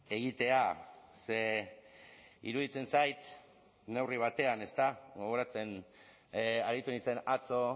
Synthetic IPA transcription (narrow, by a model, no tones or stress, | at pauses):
e̞ɣ̞it̪e̞ase | ḭɾuð̞it͡se̞nsajt̪ | ne̞wriβ̞at̪e̞ane̞st̪aɡo̞ɣ̞o̞ɾat͡se̞n | aɾit̪unit͡se̞nat͡so̞